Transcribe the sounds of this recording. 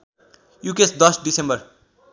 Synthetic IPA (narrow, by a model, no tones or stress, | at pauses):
jukesd̪ʌsɖisembʌr